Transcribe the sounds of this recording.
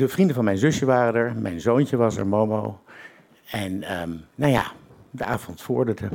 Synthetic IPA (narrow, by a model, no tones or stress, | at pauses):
dəvrindəvɑnmɛjnzɵsjəʋaːrəndəɹmɛ̰jnzowncəʋɑsɛ̰ɹmomo̰w | ɛnəːawja̰ːdəaːvɔntfʊ̰ːɹdətə